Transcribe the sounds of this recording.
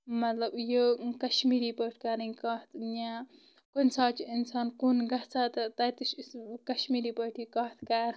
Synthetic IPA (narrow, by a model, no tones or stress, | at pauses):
mɐt̪lɐbjokɐʃmiːɾiːpəʈʰkaːɾɐŋkat̪ʰjaː | konsaːt͡ʃiinsaːnkunɡɐɦt͡sʰaːt̪ɐt̪ɐt̪ɨʃkɐʃmiːɾiːpəʈʰikɐːt̪ʰkaːɾ